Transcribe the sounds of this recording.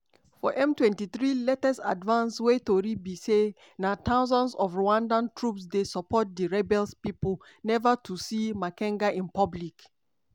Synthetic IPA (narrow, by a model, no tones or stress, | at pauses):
fɔʔɛ̃mtwɛ̃ntiθɹilɛtɛsa̰dvãnswetoɹibise | natʰaʊzɔ̃ndsɔvɹoãndãntʰɹupsdesɔpɔt̚diɹɛbɛlspipəl | nɛvatʰusimakɛ̃ŋɡaʔĩnpablik